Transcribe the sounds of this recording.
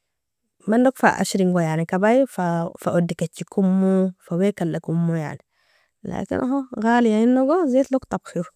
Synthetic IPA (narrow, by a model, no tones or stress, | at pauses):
mandokfa̰ʔa̰ʃɾiŋɡojaʕnikabajfafaʔod̪ːikat͡ʃːikumːufawekalːakumːuja̰ʕni | la̰ːkḭnʔɦoɣaːlijainːoɡozet̪lokt̪ɑbxiɾ